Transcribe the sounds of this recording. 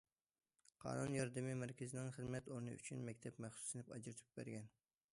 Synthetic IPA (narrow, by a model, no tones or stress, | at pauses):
qʰɑ̰ːnunjɑɾd̪ɨmimæɾkʲɪzɪnɪŋχəzmɛt̪oɾnɨ̰y̰t͡ʃʰynmɛkʲt̪ʰɛpmæχsu̥sɨnɪpɑd͡ʒɾɨt̪ʰu̥p̚bæ̰ɾɡʲɛn